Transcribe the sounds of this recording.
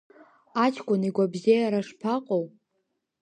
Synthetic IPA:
at͡ʃʰkʷʼʊniɡʷabzejaɾaʂpʰaqʼow

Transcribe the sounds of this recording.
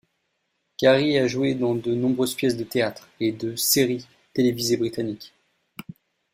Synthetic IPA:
kʲaʁiaʒuwed̪ɑ̃d̪ənɔ̃bʁøzpjɛs̬d̪ət̪eat̪χed̪əseʁi | t̪elevizebʁit̪anikʲ

